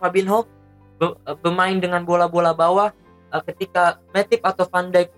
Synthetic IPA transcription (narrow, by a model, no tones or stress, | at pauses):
abinɦɔk̚ | bəbərmaɪndəŋanbolabolabawah | ʔəkət̪ikamɛt̪ɪp̚at̪awfandajk̚